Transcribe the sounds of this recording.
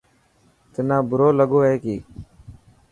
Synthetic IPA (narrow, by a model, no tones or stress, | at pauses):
t̪ɪnãːbʱʊɾoːləɠoːɦeːkiː